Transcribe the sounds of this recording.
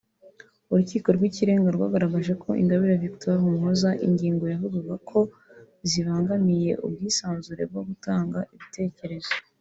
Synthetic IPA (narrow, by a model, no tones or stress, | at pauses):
uɾuciːko̞ɾɡwiciɾe̞ːŋɡaɾɡwa̰ːɡaɾaɡaʒe̞kʰo̞ʔḭŋɡaβiɾaviktaɾhumhozaʔḭɲɟiːŋɡo̞javuɡuɡakʰo̞ | ziβaːŋɡamije̞ʔṵb̚ɡiːsaːnzuɾe̞̰b̚ɡo̞ɡutaːŋɡaʔiβitʰe̞ːce̞ɾe̞zo